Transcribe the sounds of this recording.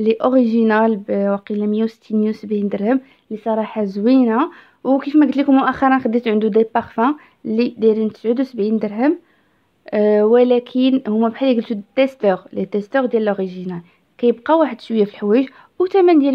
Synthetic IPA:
liʔoʁiʒinalbwɑqilæməjæwsə̥t̪ʰːinjusəbʕind̪əɾˤhəm | lisˤɑɾˤɑħazwina | wkifmæɡd̪likʊmːʊʔæxɑɾˤɑnxəd̪ːit̪ʕənd̪ud̪æpːɑʁfæ̃ | lːid̪æɾənt̪ə̥sʕəd̪usəbʕind̪əɾɦəm | wəlækʰənhʊmːæbħaliɡəlt̪ut̪ːæst̪əʁlit̪ːæst̪əʁd̪jæləlʔoʁiʒinal | kæjəb̚qɑwaħəd̪ʃwəjːæfilħwæjəʒ | wt̪æmænd̪jæl

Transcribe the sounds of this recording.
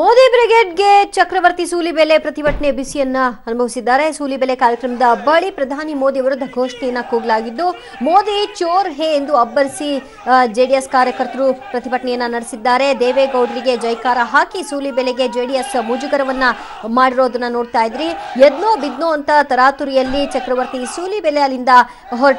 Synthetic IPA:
moːd̪ibɾeɡeːɖɡe̞t͡ʃɐkɾɐʋɐɾt̪isuːlibele̞pɾɐt̪ibɐʈɐɳebisijɐnːɐɐnubʱɐʋisid̪ːaːɾe̞suːlibelekaːɾjɐkɾɐmɐd̪ɐbɐɭipɾɐd̪ʱaːnimoːd̪ijɐʋɐɾud̪ʱɐɡʱoːʂɳɛjɐnːɐkuːɡɐlaːɡid̪ːu | moːd̪it͡ʃoːɾɦeend̪uɐbːɐɾisi | d͡ʒeːɖijeskaːɾjɐkɐɾt̪ɐɾupɾɐt̪ibɐʈɐɳɛjɐnːɐnɐɽesid̪ːaːɾe̞d̪eːʋeɡɐwɖɾiɡe̞d͡ʒɐjkaːɾɐɦaːkisuːlibɛleɡe̞d͡ʒeːɖijesmud͡ʒuɡɐɾɐʋɐnːɐ | maːɽiɾoːd̪ɐnːɐno̞ːɖt̪aːjid̪ɾied̪noːbid̪noːɐnt̪ɐt̪ɐɾaːt̪uɾijɐlːit͡ʃɐkɾɐʋɐɾt̪isuːlibɛlejalind̪ɐ | ɦɔɾ

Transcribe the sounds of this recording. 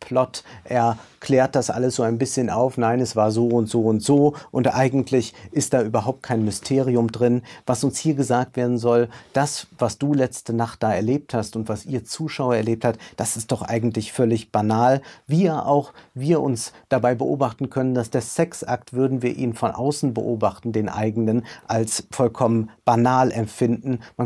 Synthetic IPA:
pʰlɔtʔeːɐkʰlɛːɐt̚d̥asʔa̰ləsz̥oːaɪnbɪsçənʔaʊfnaɪnɛsv̥aːɐzoːʊntz̥oːʊntz̥oːʔʊntʔaɪɡŋ̩tʰlɪçʔɪst̚d̥aːʔyːbɐɦaʊp̚t̚kʰaɪnmʏstʰeːʁ̞iʊmdʁɪnvasʊnshiːɐɡəzaːk̚tv̥eːɐdn̩zɔld̥asv̥asd̥uːlɛt͡stənaχt̚d̥aːɛɐleːp̚thastʊntv̥asʔiːɐt͡suːʃaʊɐɛɐleːp̚thatd̥asɪst̚d̥ɔχʔa̰ɪɡŋ̩tlɪçfœlɪçb̥anaːlviːaʔa̰ʊxviːɐʔʊnsd̥abaɪbəʔo̰ːbaχtn̩kʰœnəndasd̥eːɐsɛksʔa̰k̚tv̥ʏɐdn̩viːɐʔiːnfɔnʔa̰ʊsn̩bə̰ʔoːbaχtn̩deːnʔa̰ɪɡŋnənʔalsfɔlkʰɔmənb̥anaːlʔɛmfɪndn̩man

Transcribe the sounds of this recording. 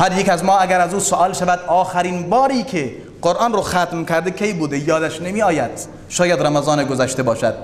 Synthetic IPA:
hæɾjekæzmɒːæɡæɾæzuːsoʔɒːlʃævæd̪ʔɒːxæɾiːnbɒːɾiːkʰe | ɢ̥oɾʔɑːnɾoxæt̪mkʰæɾd̪ekʰejbuːd̪ejɒːd̪æʃnemiːɒːjæd̪̥ | ʃɒːjæd̪ɾæmæzɒːneɡozæʃt̪ebɒːʃæd̪̥̚

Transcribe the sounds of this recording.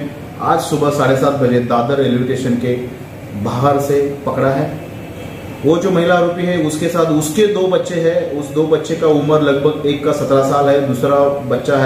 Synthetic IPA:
a̰ːd͡ʒsʊbəsaːɽesaːt̪̚bʱɐd͡ʒed̪aːd̪əɾelɪʋɪʈeːʃənke | bʱaːɦəɾsepɐkɽaɦɛː | ʋoːd͡ʒoːmɐɦɪlaɾuːpiɦɛʊskesaːt̪ʰʊsked̪oːbɐtːʃeɦɛʊsd̪oːbɐtːʃekaʊməɾlɐɡbʱəɡeːkːasɐt̪ɾasaːlɦɛd̪uːsɾabɐtːʃaɦɛ

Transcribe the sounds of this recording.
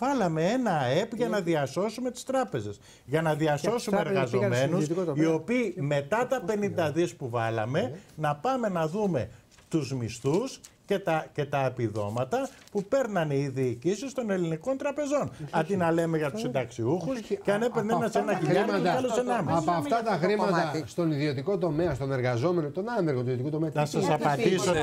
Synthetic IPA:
vɐlɐme̞e̞nɐe̞pʝɐnɐðiɐso̞sumet̪i̥st̪ɾɐpe̞ze̞s | ʝɐnɐðiɐso̞summeeɾɣɐzo̞me̞nussio̞piːme̞t̪ɐt̪ɐpe̞nind̪ɐðispuvɐlɐ̰me̞nɐpɐme̞nɐðume̞̰ | t̪uzmist̪uscet̪ɐce̞t̪ɐepiðo̞̰mɐt̪ɐpupe̞ɾnɐniiðiːcisist̪o̞neliniko̞nt̪ɾɐpe̞zo̞nɐd̪inɐle̞me̞ʝɐt̪u̥sind̪ɐksiuxusceɐnepeɾnenɐsenɐkimɐɐɐlossenɐmiɐsɐft̪ɐt̪ɐxɾimmɐt̪ɐst̪o̞niðio̞t̪iko̞t̪o̞meɐst̪o̞ne̞ɾɣɐzo̞me̞not̪o̞nɐmeɾɣot̪iðot̪ikut̪o̞meɐnɐsɐsɐpɐnd̪iso

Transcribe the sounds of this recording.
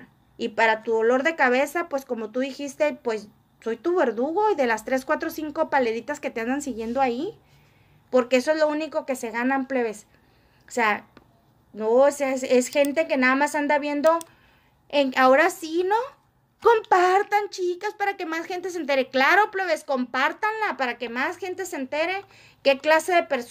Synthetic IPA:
ipaɾat̪uðolo̞ɾðekaβesapwesko̞mo̞t̪uðixist̪epwe̞s | so̞jt̪uβeɾðuɣoiðe̞last̪ɾe̞skwat̪ɾosiŋkopale̞ðit̪asket̪eand̪ansiɣje̞nd̪oai | poɾke̞esoezlounikoke̞se̞ɣanampleβes | osea | nossesxent̪eke̞naðamasand̪aβje̞nd̪o̞ | eŋaoɾasino | kompaɾt̪ant͡ʃikaspaɾake̞masxe̞nt̪e̞s̬ent̪eɾeklaɾo̞pleβeskompaɾt̪anlapaɾake̞masxe̞nt̪e̞sent̪eɾe | ke̞klase̞ðepeɾs

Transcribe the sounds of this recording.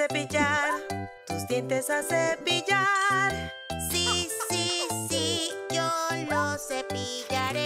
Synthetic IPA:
epiʝaɾt̪uzd̪jent̪esasepiʎaɾ | sisisiʝonosepiʝaɾe

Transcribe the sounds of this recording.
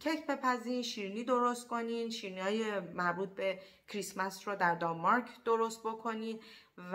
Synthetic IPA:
cʰekʰbe̞pʰæziːnʃiːɾiniːd̪o̞ɾost̪̚ko̞niːnʃiːɾinihɒːjemæɾbuːt̪̚be̞ | kʰɾismæsɾɔd̪æɾd̪ɒnmɒɾkʰd̪o̞ɾost̪̚bokʰo̞niːnv

